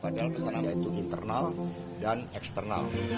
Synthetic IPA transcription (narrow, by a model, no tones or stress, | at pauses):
padalkəsananjait̪uʔint̪ərnal | danɛkst̪ərna̰l